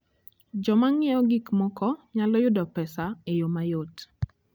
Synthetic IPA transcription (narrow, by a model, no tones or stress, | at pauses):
d͡ʒɔmaŋɪɔɡikmɔkɔɲalɔjʊdɔpɛsaejomajot